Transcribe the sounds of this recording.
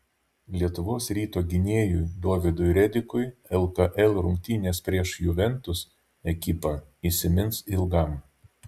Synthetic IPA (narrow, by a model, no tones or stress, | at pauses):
lʲiɛt̪ʊʋoːsɾʲiːt̪oːɡʲɪnʲeɛjʊjd̪oːʋʲɪd̪ʊjɾʲɛd̪ʲɪkʊɪɛlˠkɐʔɛlʲˠɾʊŋʲk̚ʲt̪ʲiːnʲeːspʲɾʲiɛʃjʊʋʲɛnt̪ʊs | ɛkʲɪpɐiːsʲɪmʲɪnsɪlˠɡɐˑm